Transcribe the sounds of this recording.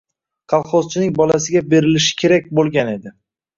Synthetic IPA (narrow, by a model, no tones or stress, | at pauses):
qʰɑlˠχozt͡ʃʰɪnɪŋbɒlasɪɡʲabe̞ɾɪlɪʃɪ̥kʲʰe̞ɾak̚ʲbolˠɡʲane̞d̪ɪ